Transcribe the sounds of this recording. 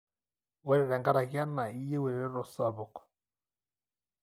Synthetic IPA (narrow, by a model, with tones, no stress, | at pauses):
wɛ˦ɾɛ˨ɾɛ˨ŋɡa˦ɾa˨ɣja˦na˨i˦je˦wɛ˨ɾɛ˨ɾɛ˦ɾɔ˨sa˨βɔ˨k